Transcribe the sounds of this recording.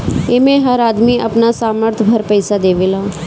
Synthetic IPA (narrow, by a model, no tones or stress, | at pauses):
eːmẽːɦəɾaːd̪miːə̰pnasaːməɾt̪ʰbʱəɾpəɪsad̪eːʋeːlaː